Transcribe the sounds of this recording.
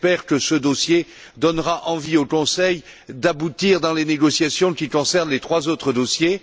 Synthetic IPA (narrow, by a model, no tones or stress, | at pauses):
pɛʁkəsəd̪osje | d̪ɔnʁaʔɑ̃viokɔ̃sɛjd̪abut̪iʁd̪ɑ̃leneɡɔsjasjɔ̃kʲikɔ̃sɛʁnlet̪χwazot̪χəd̪osje